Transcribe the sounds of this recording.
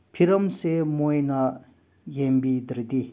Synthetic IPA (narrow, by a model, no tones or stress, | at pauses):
pʰiɾɐmsemojna | jembid̪iɾd̪i